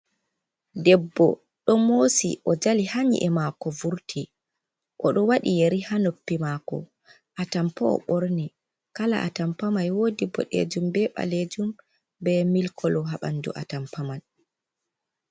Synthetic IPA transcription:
dɛbːɔ̰ | ɗɔmoːsiʔɔd͡ʒalihaɲḭʔɛmakɔvuɾtʰi | ʔɔɗɔwaɗijeɾihanopːimakɔ̰ | ʔatampɔɔ̰ɓoɾni | kala̰ʔatampamajwoːdibɔ̰ɗḛd͡ʒumbɛɓa̰led͡ʒum | bɛmilkʰɔlɔɦaɓandṵʔa̰tampamaj

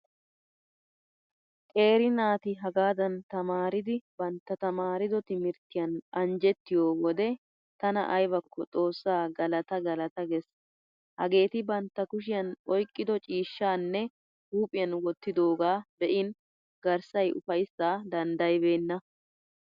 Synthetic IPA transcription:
kʼe̞ːɾɪnaːt̪ɪɦɐɡaːd̪ɐnt̪ɐmaːɾɪd̪ɪbɐnt̪ːɐt̪ɐmaːɾɪd̪ɔt̪ɪmɪɾt̪ːɪjɐnɐnd͡ʒɛt̪ːɪjoːwɔd̪ɛ | t̪ɐnɐ̰ʔɐjbɐkʰːɔt͡sʼo̞ːsːaːɡɐlɐt̪ɐɡɐlɐt̪ɐɡɛs | hɐ̰ɡe̞ːt̪ɪbɐnt̪ːɐkʊʃ̬ɪjɐnɔjkʼːɪd̪ɔt͡ʃʼiːʃːaːnːɛ | huːpʼɪjɐnwɔt̪ːɪd̪o̞ːɡaːbɛʔɪn | ɡɐɾsɐjʔʊ̰fɐjsːaːd̪ɐnd̪ɐjbe̞ːnːɐ

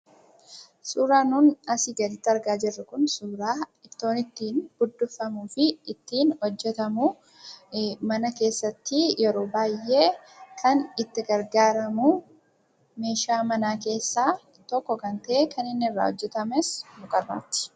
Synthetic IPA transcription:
suːɾaːnʊnɐsɪɡɐd̪ɪt̪ːɐɾɡaːd͡ʒɪrːɐkʊnsuːɾaːɪt̪ːo̞ːnɪt̪ːiːnb̥ʊd̪ːʊfːɐmuːfɪɪt̪ːiːnhɔd͡ʒːɛt̪ɐmu | mɐnɐke̞ːsːɐt̪ːɪjɛɾo̞ːbaːjːe̞ː | kʰɐnɪt̪ːɪɡɐɾɡaːɾɐmu | me̞ːʃaːmɐnaːke̞ːsːaː | t̪ɔkːɔkɐnt̪ɐʔekɐnɪnːɪrːa̰ːhɔd͡ʒːɛt̪ɐmɛsmʊkʼɐrːa̰ːt̪ːɪ̥

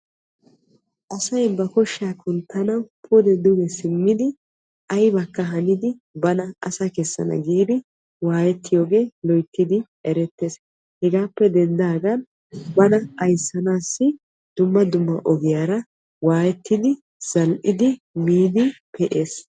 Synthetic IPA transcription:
ʔɐsɐjbɐkɔʃːɪaːkʊnt̪ːɐnɐpʰʊd̪ɛd̪ʊɡɛsɪmːɪd̪ɪ | ʔɐjbɐkːɐɦɐnɪd̪ɪbɐnɐɐ̰sakɛsːɐ̰nɐ̰ɡiːd̪ɪ | waːjɛt̪ːɪjoːɡe̞ːlɔjt̪ːɪd̪ɪ | ɛɾɛt̪ːeːs | hɛɡaːpːɛd̪ɛnd̪aːɡɐn | bɐnɐɐjsːɐnaːsːɪ | d̪̥ʊmːɐd̪ʊmːɐʔɔɡɪjaːɾɐ | waːjɛt̪ːɪd̪ɪ | z̥ɐlʔɪd̪ɪ | miːd̪ɪpʰɛʔeːs

